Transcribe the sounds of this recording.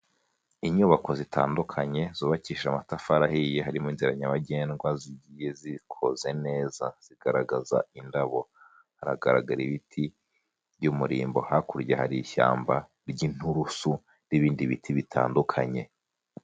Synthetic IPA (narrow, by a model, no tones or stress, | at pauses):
iɲuβako̞zitʰa̰ːndukʰaɲe̞z̥uːβaciːʃamatafaɾahijeɦaɾimiːnziɾaɲaβaɟe̞ːnɡwaziɟije̞zikʰoze̞ne̞ːzaz̥iɡ̥aɾaɡaza̰indaβo̞ | haɾa̰ɡaɾaɡaɾiβitʰi | bɟumuɾḭːmbo̞hakuɾɟehaɾiça̰ːmba | ɾɟin̥huɾusu | ndiβiːndiβitʰiβitʰa̰ːndukʰaɲe̞